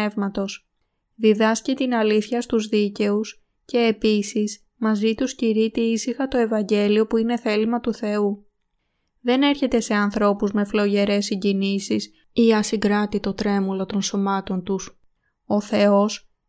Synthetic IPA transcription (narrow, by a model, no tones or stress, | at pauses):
e̞vmɐt̪o̞s | ðiðɐscit̪inɐliθçɐst̪uzðice̞us | ce̞ːpisis | mɐzit̪usciɾit̪iisixɐt̪o̞e̞vɐɲɟe̞lio̞puine̞θe̞limɐt̪uθe̞u | ðe̞ne̞ɾçe̞t̪e̞se̞ɐnθɾo̞puzme̞flo̞ʝe̞ɾe̞siɲɟinisis | iɐsiŋɡɾɐt̪it̪o̞t̪ɾe̞mulo̞t̪o̞nso̞mɐt̪o̞nt̪us | o̞θe̞o̞s